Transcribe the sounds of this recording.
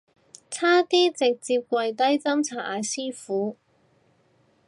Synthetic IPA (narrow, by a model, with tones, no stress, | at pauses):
t͡sʰaː˥t̪iː˥t͡sɪ˨k̚t͡siː˧p̚kʷɐ˧jt̪ɐ˥jt͡sɐ˥mt͡sʰaː˨˥˩ʔa̰ː˨˧jsiː˥fuː˨˥